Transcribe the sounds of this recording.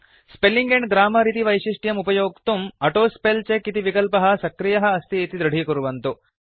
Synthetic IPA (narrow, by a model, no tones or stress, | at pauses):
spelːiŋɡeɳɡɾaːmɐɾit̪̬iʋɐjʃiʂʈjɐmupɐjoːkt̪umɐʈoːspelt͡ʃekit̪iʋikɐlpɐɦɐ̆sɐkɾijɐɦɐ̆ːst̪ieːt̪id̪ɾɐɖʱikuɾuʋɐnt̪u